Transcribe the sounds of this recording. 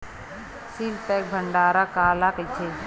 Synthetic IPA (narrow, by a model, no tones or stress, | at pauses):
sinp̪ɛːk̚bʱəɳɖaːɾakaːlaːkət͡ʃʰe